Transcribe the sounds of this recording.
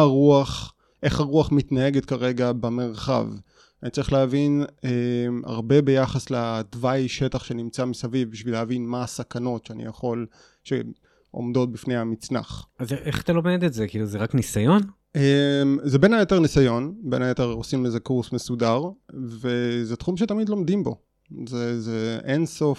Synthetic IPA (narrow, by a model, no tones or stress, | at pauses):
ʁuaχ | ʔe̞χaʁuaχmit̪nae̞ɡet̪kaʁe̞ɡabame̞ʁχa̰v | anitt͡sɐʁiχleavinema̰ʁbe̞be̞jaχasledvajʃe̞taχʃe̞nimt͡samisavivbiʃvileavinmaːsakano̞tʃeanḭjaχo̞l | ʃe | ʔo̞̰mdo̞t̚bifnehamit͡sna̰χazeʔḛχt̪alomed̪etzekiːluzeʁaknisajo̞n | emzebe̞najet̪e̞ʁnisajo̞nbe̞najet̪eʁosimezekuʁsmesudaʁvezet̪χumʃet̪amid̪lo̞md̪imbo̞ | zezeʔenso̞f